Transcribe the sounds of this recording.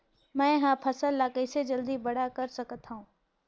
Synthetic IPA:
mɛ̃ːɦãːpʰɐsəlːaːkəɪsed͡ʑɐld̪ibɐɽ̤akɐɾsɐkət̪ʰaũː

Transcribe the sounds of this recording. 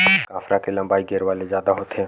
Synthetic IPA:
kaːfɾakelɐ̃mbaːiɡeːɾʋaːlezjaːd̪aɦoːt̪eɦɛ̃ː

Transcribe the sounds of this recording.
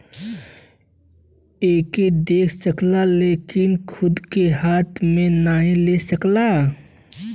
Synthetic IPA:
eːked̪eːkʰsəklaleːkɪnkʰʊd̪keɦaːt̪ʰmẽnaːɦĩlesəkla

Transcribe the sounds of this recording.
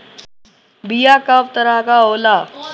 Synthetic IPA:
bijakəpt̪əɾaɦkaɦoːla

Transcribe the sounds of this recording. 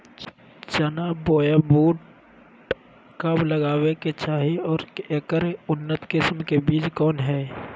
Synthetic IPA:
t͡ʃənaːboːjaboːʈ̚ | kɐbləɡaːweket͡ʃaːɦiɔːɾekəɾʊnːət̪kɪsmkebiːt͡ʃkɔːnɦɛː

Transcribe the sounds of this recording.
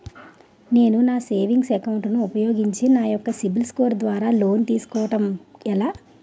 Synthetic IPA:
ne̞ːnunaːse̞ːʋiŋɡsɛkɐwuɳʈnuːpɐjoːɡiɲt͡ʃinaːjɔkːɐsibilskoːɾd̪ʋaːɾaːlo̞ːnt̪iːsu̥kɔːʋɐʈɐmɛlaː

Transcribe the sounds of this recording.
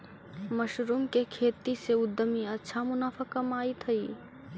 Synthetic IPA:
mɐʃɾuːmkekʰeːt̪iseʊd̪ːəmiɐtːʃʰamʊnaːfəkɐmaːit̪ʰɐiː

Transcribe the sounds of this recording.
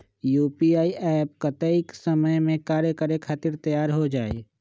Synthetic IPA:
juːpiaːiɛːp̚kət̪əɪksəməjmẽkaːɾjəkəɾekʰaːt̪ɪɾt̪əjaːɾɦod͡ʒaːḛː

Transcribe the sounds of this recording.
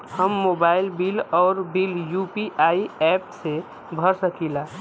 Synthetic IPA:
həmːobaɪlbilɔːɾbiljupiʔaiɛpse | bʱəɾsəkila

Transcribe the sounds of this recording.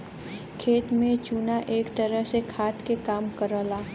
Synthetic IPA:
kʰeːt̪mẽt͡ʃunaʔeːkt̪əɾəɦsekʰaːt̪kekaːmkəɾəlaː

